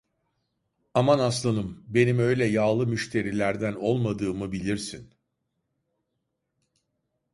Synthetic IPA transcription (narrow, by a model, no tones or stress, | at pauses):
amanaslˠanɯmbe̞nimø̞jlʲɛjaːlˠɯmyʃt̪ʰe̞ɾilʲæɾd̪æno̞lˠmad̪ɯːmɯbilʲiɾsin